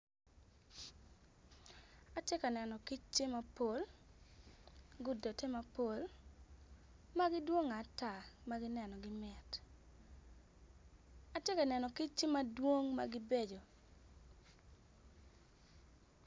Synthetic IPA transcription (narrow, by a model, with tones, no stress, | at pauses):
a˨˦tje˦ka˨nɛ˨nɔ˨ki˦t͡ʃːt͡ʃe˦ma˨po˨l | ɡʊ˦do˨te˦ma˦po˨l | ma˦ɡɪ˦dwo˦ŋa˨˦ta˨ma˦ɡɪ˦nɛ˨nɔ˨ɡɪ˦mɛ˨t | a˨tje˦ka˨nɛ˨nɔ˨ki˦t͡ʃt͡ʃe˦ma˦dwo˦ŋma̰˨ɡɪ˦be˦d͡ʒo˨